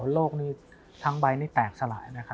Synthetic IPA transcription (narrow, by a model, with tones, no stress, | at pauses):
loː˥˩k̚niː˥˩ | t̪ʰa˦˥ŋba˧jniː˥˩t̪ɛː˨˩k̚sa˧laː˩˦jna˦˥kʰa˦˥